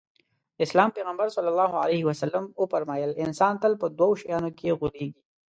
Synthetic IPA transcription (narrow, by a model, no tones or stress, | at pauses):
ɪslɑːmpeːɣəmbəɾsɐlːəlːɑːɦoalehɪwɐsɐlːəmʊpɐɾmɑjəlɪnsɑːnt̪əlpəd̪waʃɐjaːnokeɣʊɾeːɡi